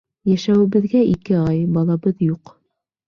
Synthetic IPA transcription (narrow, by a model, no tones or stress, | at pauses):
jæʃæwɘ̆βɘ̆ðɡæʔikɘɑjbɑlˠɑβɤðjuq